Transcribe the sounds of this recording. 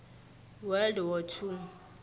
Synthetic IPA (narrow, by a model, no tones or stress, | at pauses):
wɛldwɔtʰu